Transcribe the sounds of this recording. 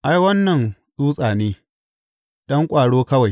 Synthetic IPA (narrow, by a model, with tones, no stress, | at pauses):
ʔa˦jwɐ˦nːɐ˨nɗuː˦sʼaː˨neː˦ | d̥ɔ˦ŋkʷʼaː˨ɽoː˦kɐ˦wa˨j